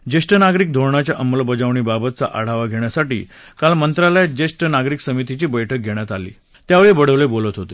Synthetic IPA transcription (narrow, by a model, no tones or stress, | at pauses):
d͡ʑesʈənaɡɾiːk̚d̪ʱoɾɳat͡ɕjaʔəməlbəd͡zaʋɳ̃iːbabət̪̚t͡sa̰ʔa̰ɽ̤aʋaɡʱeɳ̃jasaʈḭː | kalmənt̪ɾaləjd͡ʑesʈənaɡɾiːksəmit̪it͡ɕiːbəjʈʰək̚ɡʱeɳ̃jat̪alḭː | t̪jaʋeɭebəɽ̤əʋlebolət̪ɦot̪e